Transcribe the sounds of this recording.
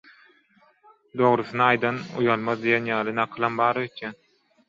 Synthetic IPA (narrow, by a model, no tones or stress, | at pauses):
d̪o̞ʁɾɯθɯnɑɑjd̪ɑnṵjɑlˠmɑðd̪ijenjɑːlˠɯnɑqʰɯlˠɑmbɑːɾøt̪ʰjæn